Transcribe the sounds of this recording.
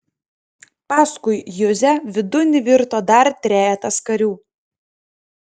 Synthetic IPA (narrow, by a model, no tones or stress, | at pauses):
pɑːskʊɪjʊzʲɛʋʲɪd̪ʊnʲɪʋʲɪɾt̪oːd̪ɐɾt̪ʲɾʲæːjɛt̪ɐskɐɾʲuː